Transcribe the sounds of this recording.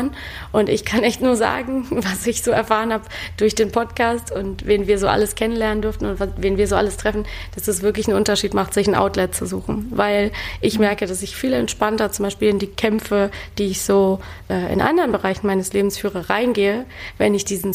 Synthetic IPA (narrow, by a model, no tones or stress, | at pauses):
n | ʔʊntɪçkʰanɪçtnuːɐza̰ːɡŋ̩vasɪçz̥oːɛɐfaːʁənhaːbd̥ʊɐçd̥eːnpʰɔtkʰaːstʊntveːnviːɐzoːʔa̰ləskʰɛnənlɛɐnəndʏɐftn̩ʊnvaveːnviːɐzoːʔa̰ləstʁ̥ɛfn̩d̥asɛsv̥ɪɐklɪçn̩ʔʊ̰ntɐʃiːtmaχtz̥ɪçn̩ʔa̰ʊtlɛtt͡suzṵːxn̩vaɪlʔɪçmɛɐkəd̥asɪçfiːlɛntʃpantɐt͡sʊmbaɪʃpiːlɪndiːkʰɛmfəd̥iːɪçz̥oː | ʔɛːʔɪ̰nʔa̰ndəʁənbəʁ̞aɪçn̩maɪnəsleːbm̩sfyːʁəʁaɪnɡeːəvɛnɪçd̥iːzn̩